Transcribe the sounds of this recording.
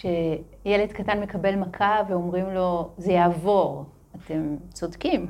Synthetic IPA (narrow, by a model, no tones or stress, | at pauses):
ʃe | jele̞dkatanme̞kabe̞lmakʰaveomʁimlo̞zejaːvo̞ʁ | ate̞mt͡so̞dkim